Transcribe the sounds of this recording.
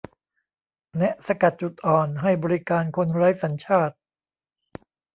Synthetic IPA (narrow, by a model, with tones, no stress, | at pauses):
nɛ˦˥ʔsa˧ka˨˩t̪̚t͡ɕu˨˩t̪̚ʔɔː˨˩nɦa˥˩jbɔː˧ɾi˦˥kaː˧nkʰo˧nɾa˦˥jsa˩˦nt͡ɕʰaː˥˩t̪̚